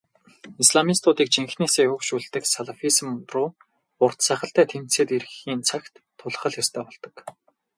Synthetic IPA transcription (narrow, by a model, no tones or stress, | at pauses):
isɮamist̪ʊːt̪iːk̚t͡ɕʰeŋxneːseːɵkʃuːɮt̪ɘ̆ksaɮafis̆mprʊː | ʊr̥t̪sæχə̆ɬt̪æːt̪ʰem̥t̪seːt̪eɾxiːnt͡sʰakt̪ʰːʊɮχə̆ɮjast̪ʰæːpɔɮt̪ɞ̆k